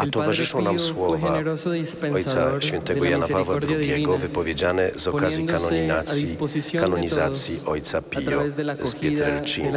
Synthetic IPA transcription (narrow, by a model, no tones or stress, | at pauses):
at̪ɔvaʐɨʂɔ̃w̃namswɔva | ɔjsaɕfʲjɛnt̪ɛɡɔjanapavwad̪ɾuɡʲjɛɡɔvɘpɔvʲjed͡ʑanɛzɔkazʲjikanɔɲiat̪sikanɔɲizat̪sʲjiʔɔjt̪sapʲɔ̰spʲjɛt̪ɛɾɛlt͡ʂḭn